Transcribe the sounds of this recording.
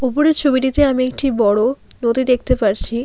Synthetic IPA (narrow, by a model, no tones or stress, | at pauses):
upoɾeɾt͡ɕʰobiʈit̪eamiek̚ʈibɔɽo | nod̪id̪ek̚t̪epaɾt͡ɕʰi